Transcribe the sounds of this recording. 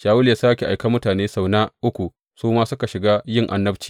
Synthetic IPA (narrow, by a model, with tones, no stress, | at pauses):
ʃaː˨wʊ˦lja˨˦saː˦kʲe˨ʔa˨jka˦mʊ˦taː˨neː˦sa˨wnaː˦ʔʊ˦kʷu˨ | suː˦maː˦sʊ˦ka˨ʃɪ˨ɡaː˦jɪ˦˨ŋʔa̰˦nːɐ˦ɸt͡ʃi̥ː˨